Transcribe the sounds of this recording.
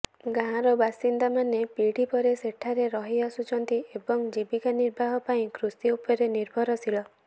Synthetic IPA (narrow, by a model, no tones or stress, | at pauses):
ɡaɦãɾɔbasind̪amanepiɽ̤ipɔɾeseʈʰaɾeɾɔɦiasut͡ʃʰɔnt̪iebɔŋd͡ʒibikaniɾbʱaɦɔpaĩkʰɾusiupɔɾeniɾbʱɔɾɔsʰilɔ